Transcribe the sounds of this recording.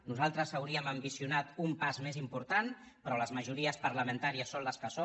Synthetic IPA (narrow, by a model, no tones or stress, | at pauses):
nuzalˠt̪ɾəsawɾiəməmbisiunat̪umpazmezimpuɾt̪an | pɾɔləzməʒuɾiəspəɾləmẽnt̪aɾiəsːonləskəso